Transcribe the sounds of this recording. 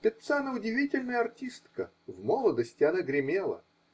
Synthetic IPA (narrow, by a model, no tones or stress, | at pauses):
pʲɪt̪sanaʊdʲɪvʲitʲɪlʲnəjəɐrtʲist̪kə | vmolˠəd̪əsʲtʲɪɐnəɡɾʲɪmʲelˠə̰